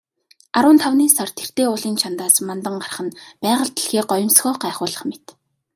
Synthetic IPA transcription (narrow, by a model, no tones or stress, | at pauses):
aɾʊːnt̪ʰawniːsɔrt̪ʰer̥t̪eːʊɮiːnt͡ɕʰant̪aːsmant̪ə̆ɴɢarχə̆npæːʁə̆ɮt̪̆ɮxeːk̚ɢɔjɞ̆msxɔːɢæːχʊːɮə̆χmet̪